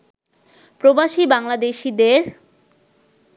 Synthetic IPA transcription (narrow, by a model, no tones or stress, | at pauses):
pɾobaʃibaŋlad̪eʃid̪eɾ